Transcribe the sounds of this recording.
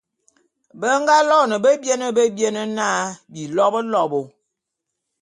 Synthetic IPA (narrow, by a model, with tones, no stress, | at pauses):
bə˦ŋɡa˦lɔ˦˨nə˨bə˦bje˦nə˦bə˦bje˦nə˦na˦bi˨lɔ˦bə˦lɔ˦˨bo˨